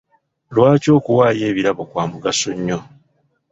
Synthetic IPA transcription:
lwaːco̞ːkuwaːje̞ːβiɾaβo̞kwaːmuɡasoɲːo̞

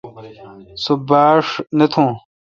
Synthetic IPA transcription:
sobaːʂnɐt̪ʰõː

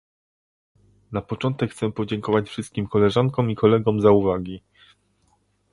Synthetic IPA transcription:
napɔt͡ʂɔnt̪ɛkxt̪sɛpɔd͡ʑɛŋkɔvat͡ɕfʂɘst̪̚kʲimkɔlɛʐaŋkɔ̃mikʰɔlɛɡɔmzauvaɡʲi

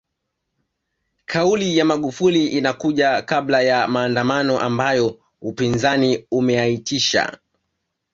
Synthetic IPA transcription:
kʰaulijamaɠufuliʔinakuʄakablajamaːndamanɔʔambajɔ | upinzaniumɛaitiʃa̰

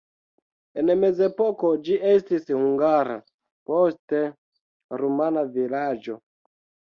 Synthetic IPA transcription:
enme̞ze̞po̞ko̞d͡ʒiʔestishuŋɡaɾa̰ | poste | ɾumanavilad͡ʒo̞

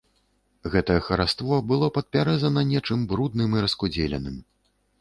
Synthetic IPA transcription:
ɣɛt̪ɐjɛxɐɾast̪vɔbɨlˠɔpɐt̪̚pʲaɾɛzɐnɐnʲɛt͡ʂɨmbɾud̪nɨmiɾɐskud͡zʲelʲɛ̰nɨm

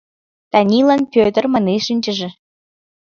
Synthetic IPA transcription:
t̪ɑnʲilɑnpʲøt̪ə̆rmɑneʃinʲt͡ɕə̆ʒĕ

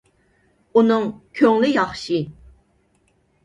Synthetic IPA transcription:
unɨŋkʲʰøŋlɪjɑχʃi

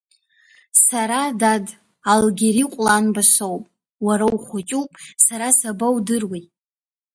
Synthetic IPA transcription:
saɾadad | alɡʲeɾiqʷʼlanbaʃowpʼ | waɾawχʷat͡ʃʼupʼsaɾasabawdɨrwijtʼ

